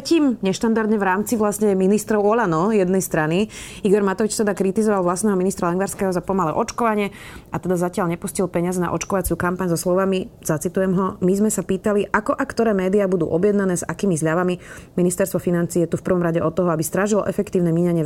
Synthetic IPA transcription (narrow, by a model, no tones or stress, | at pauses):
ciːmɲɛʃt̪and̪aɾd̪ɲɛʋɾaːmt͡siʋlasɲɛminist̪ɾɔʊɔlanɔjɛd̪nɛjst̪ɾaniiɡɔɾmat̪ɔʋit͡ʃt̪ɛd̪akɾit̪izɔʋalʋlastnɛɦɔminist̪ɾalɛŋɡʋaɾskɛːɦɔzapɔmalɛ̰ːʔɔt͡ʃkɔʋaɲɪɛ | at̪ɛd̪azacɪaʎɲɛpuscilpɛɲɪazɛna̰ʔɔt͡ʃkɔʋat͡sɪukampaɲzɔslɔʋamiz̥at͡sit̪ujɛmɦɔmizmɛsapiːt̪aliʔakɔʔakt̪ɔɾɛːmɛːd̪iaːbud̪ṵːʔɔbɪjɛd̪nanɛːzakiːmizʎaʋamiminist̪ɛɾst̪ʋɔfinant͡siːjɛt̪ufpɾr̩ʋɔmɾaɟɛʔɔt̪ɔɦɔabist̪ɾaʒilʔɛ̰fɛkt̪iːʊnɛmiɲaɲɪɛ